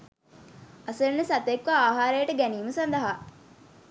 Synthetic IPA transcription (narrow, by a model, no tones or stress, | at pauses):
ɐsəɾnːesɐt̪ekʋaaːɦaːɾejɐʈəɡæniːməsɐnd̪ɐɦaː